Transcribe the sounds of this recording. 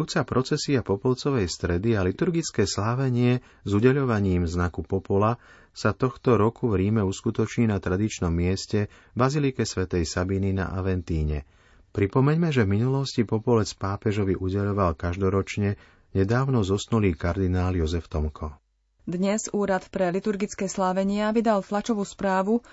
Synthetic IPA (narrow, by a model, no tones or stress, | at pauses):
uːt͡sapɾɔt͡sɛsiapɔpɔlt͡sɔʋɛjst̪ɾɛd̪ialit̪uɾɡit͡skɛːslaːʋɛɲɪɛ | zuɟɛʎɔʋaɲiːmznakupɔpɔla | sat̪ɔxt̪ɔɾɔkuvɾiːmɛuskut̪ɔt͡ʃɲiːnat̪ɾad̪it͡ʃnɔmːɪɛscɛ | bazilikɛsʋɛt̪ɛjsabinina̰ʔa̰ʋɛnt̪iːɲɛ̰ | pɾipɔmɛɲmɛʒɛvminulɔscipɔpɔlɛt͡spaːpɛʒɔʋiʔuɟɛʎɔʋalkaʒd̪ɔɾɔt͡ʃɲɛ | ɲɛd̪aːʊnɔzɔsnuliːkaɾd̪inaːljɔzɛft̪ɔmkʰɔ | d̪ɲɛzuːɾat̪pɾɛlit̪uɾɡit͡skɛːslaːʋɛɲɪaʋid̪alflat͡ʃɔʋuːspɾaːʋu